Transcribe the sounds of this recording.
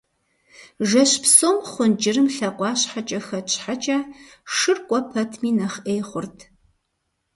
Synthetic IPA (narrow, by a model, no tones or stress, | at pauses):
ʒɐɕpsoːmχʷʊnd͡ʒɪrɨmɬɐqʷɑːɕħat͡ʃʼɐxɐt͡ʃʼħat͡ʃʼɐʂɨrkʷʼɔpʰɐtʰmiːnɐχʔeːjχʷʊrtʰ